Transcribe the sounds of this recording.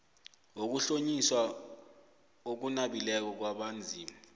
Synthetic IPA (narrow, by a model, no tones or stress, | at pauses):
ok̬uɬoɲiswa | ok̬unaɓilɛk̬ɔk̬waɓand͡zʱiːmi